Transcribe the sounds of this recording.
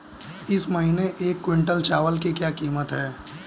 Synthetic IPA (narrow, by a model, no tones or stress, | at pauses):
ɪsmɐɦiːneʔeːkːwɪ̃ɳʈəlt͡ʃaːʋəlkikjaːkiːmət̪ɦɛː